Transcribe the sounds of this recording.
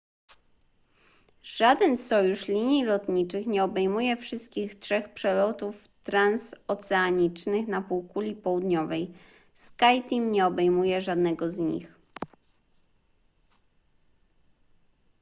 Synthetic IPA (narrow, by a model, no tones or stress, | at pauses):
ʐ̥ad̪ɛnsɔjuʂlʲiɲilɔt̪ɲit͡ʂɘxɲɛɔbɛjmujɛfʂɘst̪̚kʲixtʂɛxpʂɛlɔt̪uf | t̪ɾansɔt̪sɛaɲit͡ʂnɘxnapuwkulʲipɔwud̪ɲɔvɛj | skajt̪ʲiŋɲɛɔbɛjmujɛʐad̪nɛɡɔzɲḭx